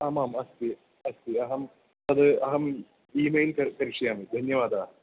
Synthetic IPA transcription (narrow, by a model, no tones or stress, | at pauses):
aːmaːmɐst̪i | ɐst̪iɐɦɐm | ɐd̪ɨɐɦɐm | iːmejlkɐɾkɐɾiʂɐjaːmid̪ʱɐnjɐʋaːd̪aːɦ